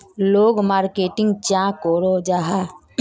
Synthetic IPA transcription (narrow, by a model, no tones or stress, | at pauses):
loːɡmaːɾkeːʈɪ̃ŋɡt͡ʃãkoɾod͡ʒaɦa